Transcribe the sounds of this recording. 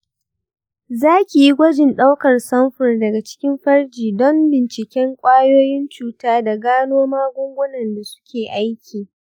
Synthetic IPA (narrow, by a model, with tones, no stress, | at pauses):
zaː˦kʲi˨ji˦ɡʷɐ˦d͡ʒɪ˨nɗa˦wkɐ˨rsɐ˦mɸʊ˨rdɐ˨ɡa˨t͡ʃɪ̥˦kʲɪ˦mɸɐ˦rd͡ʒiː˨dɔ˦mbɪ˨nt͡ʃɪ˨kʲɛ˦ŋkʷʼaː˦joː˦jɪ˦nt͡ʃuː˨taː˦da˨ɡaː˦noː˦maː˦ɡʷʊ˦ŋɡʷʊ˦nɐ˨nda˨sʊ̥˦kʲeː˨ʔa˦jkʲʰiː˨